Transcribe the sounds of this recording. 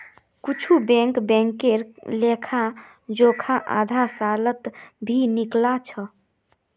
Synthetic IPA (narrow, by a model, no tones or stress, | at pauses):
kut͡ʃʰubɛ̃ŋkbɛ̃ŋkeɾlekʰa | d͡ʒokʰaʔa̰d̪ʱasalət̪bʱiniklat͡ʃʰə